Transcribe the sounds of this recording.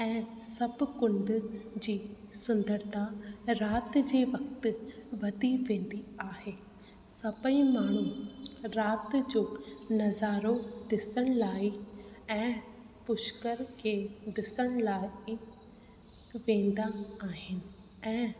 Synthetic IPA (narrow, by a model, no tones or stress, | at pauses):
ɛ̃ː | sɐbkʊ̃ɳɖd͡ʑiː | sʊ̃nd̪əɾt̪ʰaɾaːt̪d͡ʑeːʋɐkt̪̆ʋɐd̪iʋẽːn̆d̪iaːɦeː | sɐbə̃ĩmaːɳ̤uɾaːt̪d͡ʑoːnɐzaːɾod̪ɪsəɽ̃laːiɛ̃ː | pʊʃkəɾkʰeːd̪ɪsəɽ̃laːi | ʋẽːn̆d̪aaːɦɪnɪ̆ | ɛ̃ː